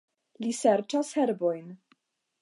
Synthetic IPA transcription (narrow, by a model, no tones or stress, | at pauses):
liseɾt͡ʃasheɾbo̞jn